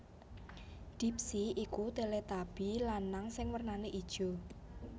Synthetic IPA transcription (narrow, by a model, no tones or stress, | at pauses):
d̪̥i̤p̚siikud̪̥e̤let̪ab̥i̤lanːaŋsɪŋwərnaneʔid̥ʒ̥ɔ̤